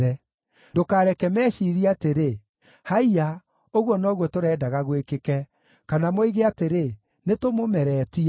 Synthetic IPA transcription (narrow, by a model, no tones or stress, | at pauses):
ɛ | dokaːɾɛkɛmɛːʃiːɾiateɾe | haia | oɣwɔnɔɣwɔtoɾɛːdaɣaɣwekekɛ | kanamoiɣeateɾe | netomomɛɾɛːti